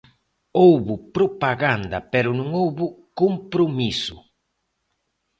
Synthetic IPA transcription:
owβʊpɾopaɣand̪a̰pɛɾʊnũŋowβʊkompɾomisʊ

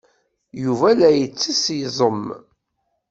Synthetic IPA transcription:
juvælæjət͡sːisjzˤəm

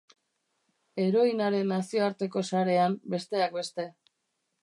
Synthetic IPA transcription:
e̞ɾo̞inaɾe̞nːasio̞aɾt̪e̞ko̞saɾe̞ambe̞st̪e̞ak̚be̞st̪e̞

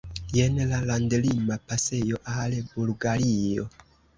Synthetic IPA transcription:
jenlalandlimapase̞jo̞ʔalbulɡaɾio̞

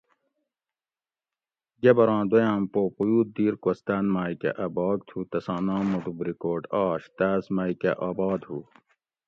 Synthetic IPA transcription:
ɡebɐɾãːd̪ojãːmpoːpujuːt̪̚d̪iːɾkost̪aːnmaːikḛʔɐbɑːɡ̚t̪ʰuːt̪ɐsãːnãːmuʈubɾikoːʈaːɕt̪aːsmaːikɐ̰ʔaːbɑːd̪ɦuː

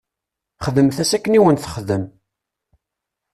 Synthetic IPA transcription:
χðəmθæsækːəniwənθəχðəm

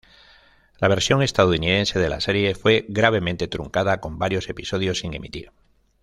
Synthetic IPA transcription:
laβ̞e̞ɾsjo̞ŋe̞st̪aðuniðe̞nse̞ð̞e̞la̰se̞ɾje̞fwe̞ɣɾaβ̞e̞mẽnt̪e̞t̪ɾuŋkaðako̞mbaɾjo̞se̞piso̞ð̞jo̞siŋe̞̰mḭt̪iɾ

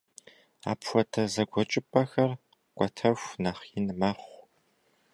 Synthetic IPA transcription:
a̰ːpʰxʷɔtʰɐzɐɡʷɔt͡ʃʼɪpʼɐxɐr | kʷʼɔtʰɐfʷnaːχjinmɐχʷ

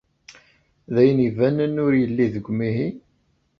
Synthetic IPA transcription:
ðæjənivænənːʊɾjəlːiðəɡʷmiɦi

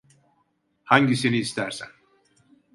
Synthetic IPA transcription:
haɲɟiseniːst̪ʰæɾsæ̰n

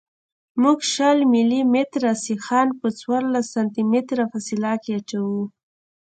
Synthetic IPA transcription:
muɡʃalmɪlimet̪ɾasixɑnpət͡swɑɾlasːant̪imet̪ɾafasilakeat͡ʃawu

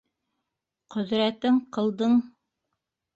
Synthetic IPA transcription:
qɵ̆ðɾæt̪ɘɴqɤ̆lˠd̪ɤɴ

